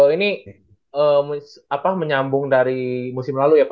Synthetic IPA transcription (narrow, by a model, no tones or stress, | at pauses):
əini | əm | apaməɲambʊŋdaɾimusɪmlalujap